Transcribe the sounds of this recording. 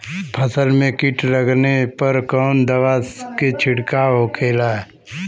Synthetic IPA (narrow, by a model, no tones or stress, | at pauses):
pʰəsəlmẽkɪʈɾəɡnepəɾkɔːnd̪əʋasket͡ʃʰɪɽkaokʰeːla